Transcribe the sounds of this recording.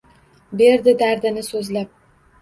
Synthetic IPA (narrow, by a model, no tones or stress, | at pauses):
be̞ɾd̪ɪd̪aɾd̪ɪnɪsɵzlap̚